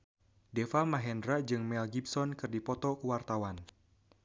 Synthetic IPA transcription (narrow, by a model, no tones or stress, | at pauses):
defamaɦɛndɾad͡ʒɨŋmɛlɡipsɔnkɨrdipɔt̪ɔkəwart̪awan